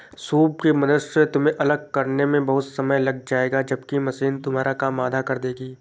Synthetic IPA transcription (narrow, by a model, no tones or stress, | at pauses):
suːb̚kemɐnʊset̪ʊmẽʔɐləɡ̚kɐɾnemẽbɐɦʊt̪sɐməjlɐɡ̚d͡ʒaːeːɡad͡ʒɐbkimɐsiːnt̪ʊmɦaːɾakaːmaːd̪ʱakɐɾd̪eːɡiː